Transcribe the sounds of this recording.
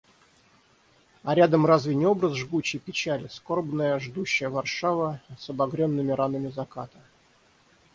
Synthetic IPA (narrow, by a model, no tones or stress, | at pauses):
ɐɾʲad̪əmrazvʲɪnʲɪo̞bɾəzʐɡut͡ɕːɪjpʲɪt͡ɕælʲɪsko̞rbnəjəʐd̪uɕːɪjəvɐrʂavəsəbɐɡɾʲonːɨmʲɪɾanəmʲɪzɐkat̪ə